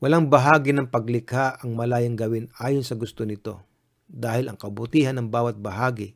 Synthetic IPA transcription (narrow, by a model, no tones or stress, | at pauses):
wɐlaŋbɐɦaːɡɪnɐŋpɐɡlɪkhaʔɐŋmɐlaːjɪŋɡɐwɪnaːjonsɐɡʊst̪onɪt̪o̞̰ | d̪aːhɪlɐŋkɐbʊt̪iːhɐnɐŋbaːwɐt̪̚bɐɦaːɡɪ